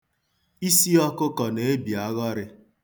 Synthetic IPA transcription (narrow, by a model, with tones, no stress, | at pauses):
i˦si˦ɔ˦kʊ˦kɔ˨ne˨e˦bi˨a˦ɣɔ˦ɾɪ˦